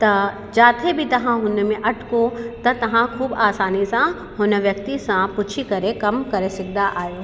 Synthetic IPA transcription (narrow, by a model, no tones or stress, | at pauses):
t̪ɐ | d͡ʒaːt̪ʰebʱit̪ɐɦãɦʊnemẽʔɐʈkot̪ɐt̪ɐɦãkʰuːbaːsaːnisã | ɦoːneʋjɐk̚t̪isãpʊt͡ʃʰikɐɾẽkɐmkɐɾesɪk̚d̪aʔaːjoː